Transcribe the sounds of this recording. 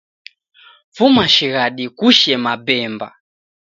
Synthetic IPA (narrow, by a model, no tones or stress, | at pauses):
fumaʃiɣaɗikuʃɛmabɛːmba̰